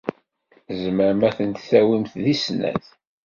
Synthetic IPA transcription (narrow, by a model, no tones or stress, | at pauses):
zməɾmæθənt̪θæwimθðisnæ̰θ